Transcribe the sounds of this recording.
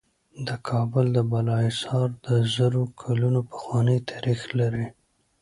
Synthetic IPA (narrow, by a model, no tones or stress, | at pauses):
d̪əkʰɑbʊld̪əbalɑɪsɑɾd̪əzəɾokʰalunopə̥xwɑnəjt̪ʰaɾixlaɾi